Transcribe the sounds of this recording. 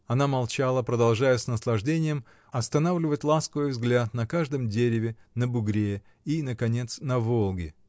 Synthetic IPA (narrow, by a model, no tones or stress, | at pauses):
ɐnamɐlˠt͡ɕalˠəpɾəd̪ɐlˠʐajəsnəslˠɐʐdʲenʲɪjəm | ɐst̪ɐnavlʲɪvətʲlˠaskəvɨjvzɡlʲat̪nɐkaʐd̪ɨmdʲeɾʲɪvʲɪnəbʊɡɾʲe | inəkɐnʲe̞t̪snɐvolˠɡʲɪ